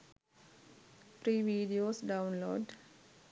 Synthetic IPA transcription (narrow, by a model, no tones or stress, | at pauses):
pɾiːʋiːɖioːsɖaʊnlo̰ːɖ